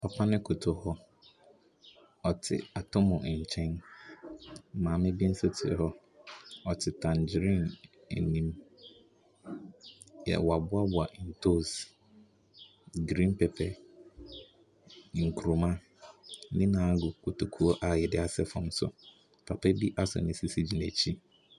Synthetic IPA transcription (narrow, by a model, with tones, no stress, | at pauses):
pa˨pʰa˦nɪ̃˦kʰʊ˨tʰʊ˨hɔ˦ | ɔ˨tʰɪ̰˨a˨tʰʊ˦mʊ̃˨ɲ̩˨t͡ɕʰɛ̃˦n˦ | mãː˨mɪ̃˦bi˦n̩˦sɛ˦tʰɪ̰˨hɔ˦ | ɔ˨tʰɪ˨tʰã˨nd͡ʑɾĩ˦˨nḛ˨nĩ˦m | jɛ̰˨wa˨bʊ˦a˦bʊ˨a˨ʔn̩˨tʰo˦˨s | ɡɾĩ˦npɛ˨pʰɛ˦ | ŋ̩˨kʰu˨ɾu˨mã˦ | nɪ̃˦nã˨˦ɡʊ˨kʰu˨tʰu˨kʰu˦ɔ˦ʔa˨jɛ˨dɪ˦a˨sɛ˦fɔ̃˨msʊ̰˨ | pʰa˨pʰɛ˦bi˦ʔa˦sʊ̰˨nɪ̃˨si˦si˦d͡ʑi˨næ˨t͡ɕʰi˦